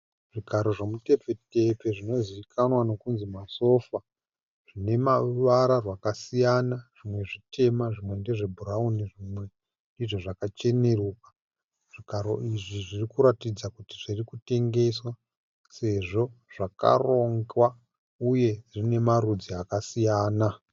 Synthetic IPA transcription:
ʐikaɾo̞ʐemute̞p͡fe̞te̞pe̞ʐino̞ziʋikʰanwano̞kunzimaso̞fa | ʐ̥ine̞maʋaɾarwakasijanaʐ̥imwe̞ʐite̞maʐimwe̞nde̞ʐe̞bʱuɾauniʐimwe̞ | ndiʐo̞ʐakat͡ʃe̞ne̞ruːka | ʐ̥ikaɾo̰iʐiʐirikuɾatid͡zakutiʐirikute̞ŋɡe̞swa | se̞ʐo̞ʐ̥aka̰roŋɡwa | uje̞ʐine̞maɾud͡ziakasijaːna

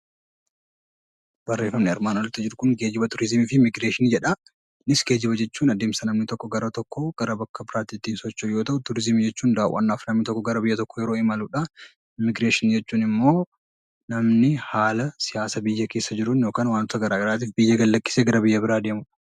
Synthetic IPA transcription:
bɐrːeːfːɐmnɪɐɾmaːnɔlt̪ːɐd͡ʒɪɾʊkʊŋɡe̞ːd͡ʒɪbɐt̪ʊɾɪzmifɪmɪɡɾe̞ːʃɪnd͡ʒɛᶑɐ | nɪsɡe̞ːd͡ʒɪbɐd͡ʒɛt͡ʃːuːnɐd̪eːmsɐnɐmnɪt̪ɔkːɔɡɐɾɐt̪ɔkʰːɔɡ̥ɐɾɐbɐkːɐbɪɾaːt̪iːt̪ːiːnsɔt͡ʃːʊjo̞ːt̪ɐʔʊt̪ʊɾɪzɪmd͡ʒɛt͡ʃːuːnd̪aːʔʊwʔɐ̰nːaːfnɐmnɪt̪ɔkːɔɡɐɾɐbɪjːɐt̪ɔkːɔjɛɾoːɪmɐluːᶑɐ | mɪɡɾeːʃɪnd͡ʒɛt͡ʃːuːnɪmːo̞ː | nɐmnɪhaːlɐsɪjaːsɐbɪjːɐke̞ːsːɐd͡ʒɪɾʊnjoːkaːnwaːnt̪ːt̪ɐɡɐɾaːɡɐɾaːt̪̬iːfbɪjːɐɡɐlːɐkːɪ̥seːɡɐɾɐbɪjːɐbɪɾaːd̪eːmʊᶑ

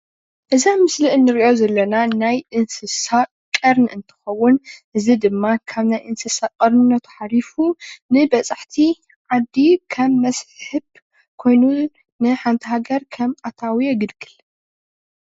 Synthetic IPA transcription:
ʔɨzamɨsliʔɨnːɨɾiʔozɐlːɐnanajʔɨnsɨsa | kʼɐɾnɨɨnt̪ʰɨ̥xɐwːʊnʔɨzid̪ɨmːakʰaβnajʔɨnsɨsakʼɐɾnːɐt̪ʰu̥ħalifunɨbɐt͡sʼaħt̪ʰi | ʕad̪ːikʰɐmːɐsħɨb | kʰo̞jnu | nɨħant̪ʰihaɡɐɾkʰɐmat̪ʰawijeɡɨlɡɨl

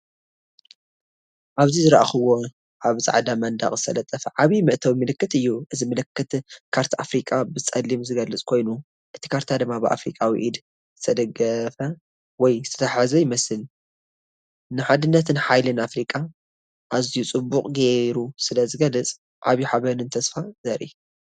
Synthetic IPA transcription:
ʔaβzizɨɾɐʔaxɨwo | ʔaβzʼa̰ʕd̪amɐnd̪a̰χʼzɨ̥t̪ʰɐlɐt̪ʼːɐfɐʕaβimɨʔt̪ʰɐwimɨlɨkːɨt̪ɨjːuʔɨzimɨlɨkːɨt̪kʰaɾt̪ʰaafɾikʼabɨt͡sʼɐlːimzɨɡɐlːɨt͡sʼkʰo̞jnu | ʔɨt̪ʰi̥kʰaɾt̪ʰad̪ɨmːabɨʔa̰fɾḭkʼawḭʔid̪ | z̥ɨt̪ʰɐd̪ɐɡɐfɐ | wɔjɨ̥st̪ʰɐ̥t̪ʰɐħazɐjɪmɐsɨl | nɨħad̪ɨnːɐt̪ʰɨnħajlɨnafɾikʼa | ʔazijut͡sʼɨbːukʼɡeɾusɨlɐzɨɡɐlːɨt͡sʼ | ʕa̰βjiħaβɐnɨnt̪ʰɐsfazɐɾḭ

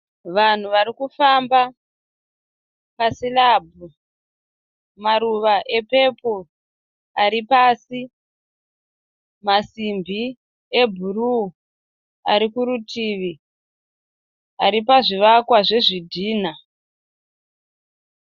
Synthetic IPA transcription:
ʋan̤uʋaɾikufamba | pasilabʱu | maɾuʋaʔe̞pe̞po | aɾipaːsi | masimbʱi | e̞bʱuru | aɾikuɾutʰiʋi | aɾipaʐiʋakwaʐe̞ʐidʱiːna

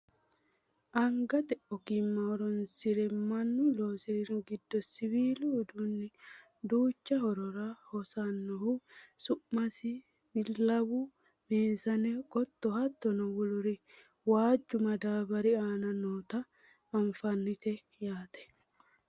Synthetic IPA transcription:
ʔɐŋɡɐt̪ɛɔkɪmːɐhɔɾɔnsɪɾɛmɐnːʊlo̞ːsɪɾɪɾʊɡɪd̪ːɔsɪwiːluːd̪unːɪ | d̪uːt͡ʃːɐhɔɾɔɾɐhɔsɐnːɔhʊsʊʔmɐsɪ | bɪllːɐwʊ | meːsɐnɛɡɔt̪ːɔhɐt̪ːɔnɔwʊlʊɾɪ | waːd͡ʒːʊmɐd̪aːbɐɾɪaːnɐnoːt̪ɐː | ɱfɐnːɪt̪ɛ | jaːt̪ɛ̥

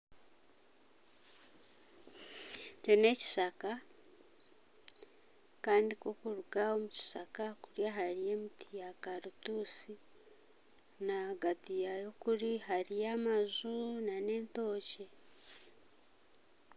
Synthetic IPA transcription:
cene̞ci̥ʃaka | kaːndikokuɾuɡao̞muci̥sakakuɾjaɦaɾije̞ːmitijakaɾutuːsi | naɡatijajo̞kuɾihaɾijamazunane̞ːnto̞ːce̞

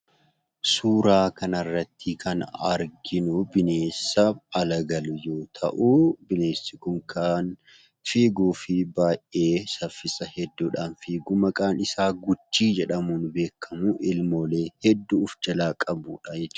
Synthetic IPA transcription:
suːɾaːkɐnɐrːɐt̪ʰːɪkʰɐnɐɾɡɪnʊbɪne̞ːsːɐɐlɐɡɐlʊjo̞ːt̪ʰɐ̰ʔubɪne̞ːsːɪkʊŋkʰan | fiːɡuːfɪbaːjʔʔe̞ːsɐfːɪsʼɐhɛd̪ːuːᶑaːnfiːɡuːmɐkʼaːnɪsaːɡʊt͡ʃːiːd͡ʒɛᶑɐmunʊbe̞ːkʰːɐmuʔɪlmo̞ːle̞ːhɛd̪ːuːfd͡ʒɐlaːkʼɐbuːᶑɐjɛt͡ʃː

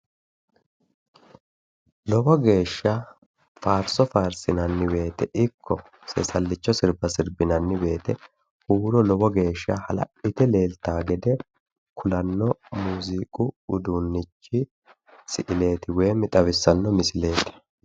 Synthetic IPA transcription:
lɔbɔɡe̞ːʃːɐ | faːɾsɔfaːɾsɪnɐnːɪbe̞ːt̪ɛʔɪkʰːɔ | sɛ̰sɐlːɪt͡ʃːɔsɪɾbɐsɪɾbɪnɐnːɪbe̞ːt̪ɛ | huːɾɔlɔbɔɡe̞ːʃːɐ̰hɐlɐ̰ʔɪt̪ɛle̞ːlt̪aːɡɛd̪ɛ | kʰʊlɐnːɔmuːzikʼʊʊd̪uːnːɪt͡ʃːɪ | sɪʔɪle̞ːt̪ɪweːmɪt̪ʼɐβɪsːɐnːɔmɪsɪle̞ːt̪ɪ̥

